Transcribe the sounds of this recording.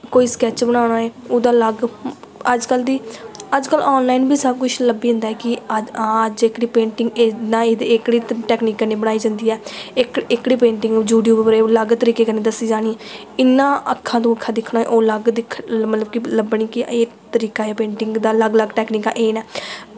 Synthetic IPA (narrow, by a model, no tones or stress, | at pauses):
koːiːskɛːt͡ʃbəɽaːnaːeːoːd̪aːləɡəd͡ʒkəld̪iːəd͡ʒkəlɔːnlaːiːnbʱiːsəb̚kʊʃʰləbiːʊ̃nd̪aɛːkɪãːəd͡ʒɪkɽiːpẽːɳʈɪŋɡnãːeːd̪ekɽiːʈɛːkniːkːəɾneːbəɽ̃aːiːd͡ʒãːnd̪iːɛːɪkɪkɽiːpẽːɳʈɪ̃ŋɡd͡ʒuːɖjuːbɾeːoləɡt̪əɾiːkeːkəɾneːd̪əsiːd͡ʒaːɽ̃iː | ɪnːãːəkʰːãːt̪õːəkʰːaːd̪ɪkʰɽaːɛ̰ːʔoːləɡd̪ɪkʰmət̪ləbkɪləbɳ̃iːkɪeː | t̪əɾiːkaːeːpẽːɳʈɪŋɡd̪aːləɡləɡʈɛːkniːkã̰ːʔeːnɛː